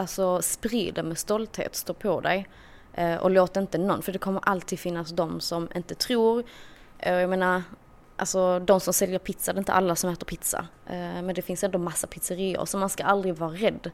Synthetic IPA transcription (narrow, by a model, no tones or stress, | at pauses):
alsɔspɾiːd̪əmɛːst̪ɔlt̪hḛːt̪st̪oːpʰɔd̪ɛ̰j | ʔʔɔ̰loːt̪aɪnt̪ənːɔnːfœɖɛkʰɔmːəɾʔalt̪ʰiːd̪fɪnːasd̪ɔmsɔmʔɪ̰nt̪ət̪ʰɾuːɾ | jameːnaɾ | ʔa̰lsɔd̪ɔmsɔmsɛljəɾpʰɪt̪sadɛɾɪnt̪ə̰ʔalːasɔmɛːt̪əɾpʰɪt̪sa̰mɛnd̪ɛfɪnsɛnd̪ɔmasːapʰɪt̪səɾiːə̰ɾsɔmːanskaald̪ɾɪɡvɑːɾaɾɛd̪ː